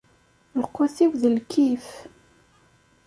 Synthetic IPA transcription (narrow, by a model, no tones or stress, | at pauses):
ləqːʊθiwðəlkʰif